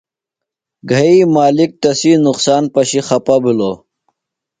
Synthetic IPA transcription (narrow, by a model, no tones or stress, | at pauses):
ɡʱɐimaːlik̚t̪ɐsinuqsaːnpɐɕixɐpabilo